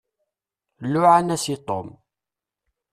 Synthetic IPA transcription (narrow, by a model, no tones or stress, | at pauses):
lːʊʕanæsit̪ˤo̰m